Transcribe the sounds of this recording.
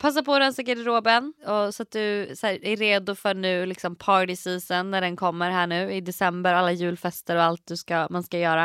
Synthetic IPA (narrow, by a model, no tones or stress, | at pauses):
pʰas̬ːapɔɾɛnsɛɡɛd̪ɪɾoːbənɔsɔat̪̚d̪ɵsæːæɾːeːd̪ʊfœɳʉ̟ːlɪksɔmpʰɑːɾɖɪsiːsənːæɖɛnkʰɔmːəɾɦæːɳʉ̟ːɪd̪ɛsɛmbəɾalːajʉ̟ːlfɛst̪əɾɔalt̪̚d̪ɵskamanskajœːɾa